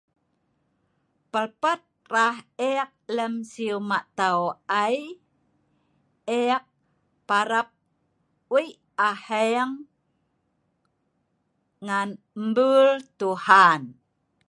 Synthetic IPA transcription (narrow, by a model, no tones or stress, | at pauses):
pəlpat̪̚rahek̚ləmsiumaʔt̪awaj | ek̚ | paɾap̚ | wi | aheŋ | an | mbult̪uhan